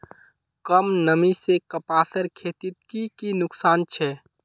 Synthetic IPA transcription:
kəmnəmisekəpaːsəɾkʰeːt̪ɪt̪kikinʊksaːnt͡ʃʰɛ

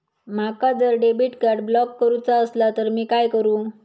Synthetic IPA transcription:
makad͡zəɾɖebiʈkaɾɖblɔkːəɾut͡saəslat̪əɾmiːkajkəɾũː

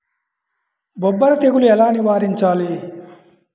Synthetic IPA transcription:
bɔbːɐɾɐt̪eɡuluɛlaːniʋaːɾiɲt͡ʃaːli

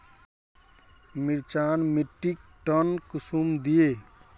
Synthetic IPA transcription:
miɾt͡ʃaːnmiʈːik̚ʈənkusumd̪ije

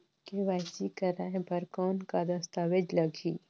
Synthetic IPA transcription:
keʋaːɪsikɐɾaːɦẽpɐɾkɔːnkad̪ɐst̪aːʋed͡ʒlɐɡʱiː

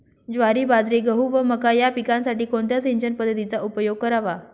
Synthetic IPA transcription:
d͡ʑʋaɾiːbad͡zɾeɡəɦuʋəməkajapikãnsaʈiːkoɳt̪jat͡siɲd͡ʑənpəd̪ʱːət̪it͡saʔupəjoɡ̚kəɾaʋa

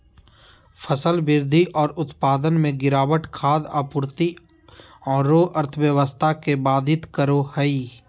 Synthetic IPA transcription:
fʰəsəlbɪɾd̪ʱiʔɔːɾʊt̪paːd̪ənmẽɡɪɾaːwəʈkʰaːd̪a̰ːpʊɾt̪i | ɔːɾːoːʔəɾt̪ʰəʋjəʋəst̪ʰakebaːd̪ʱɪt̪kəɾohəi

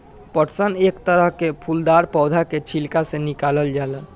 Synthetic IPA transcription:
pəʈsənekt̪əɾəɦkepʰuld̪aɾpɔːd̪ʱaket͡ʃʰilkasẽnikaləld͡ʒalən

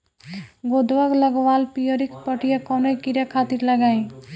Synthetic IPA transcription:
ɡod̪ʋaɡləɡʋaːlpijəɾikpəʈijakɔnoikiɾjakʰat̪iɾləɡaĩ

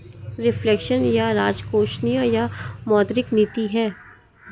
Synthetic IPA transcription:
ɾɪflɛkʃənjaɾaːd͡ʒkoːʃnijəjamɔːd̪ɾɪkniːt̪iɦɛː

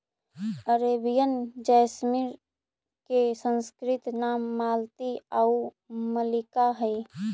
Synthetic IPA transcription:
əɾeːbijənd͡ʒəjsmɪɾ | kesə̃nskɾɪt̪naːmːaːlt̪iəu | məlɪkaɦəi

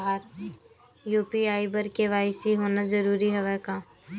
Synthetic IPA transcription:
ɦaːɾ | juːpiaːibəɾkeʋaːɪsiɦoːnad͡ʒɐɾuːɾiɦɛʋɛkaː

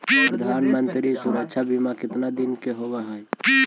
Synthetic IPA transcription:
ppɾəd̪ʱanmənt̪ɾisuɾəkt͡ʃʰabʱimakɪt̪nad̪inkeɦobaɦəj

